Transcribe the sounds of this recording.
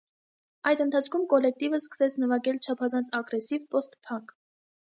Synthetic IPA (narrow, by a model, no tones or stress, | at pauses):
ɑjd̪ənt̪ʰɑt͡sʰkʰumkɔlɛk̚t̪ivəskə̥sɛt͡sʰnəvɑɡɛlt͡ʃʰɑpʰɑzɑnt͡sʰɑɡɾɛsivpɔst̪pʰɑŋk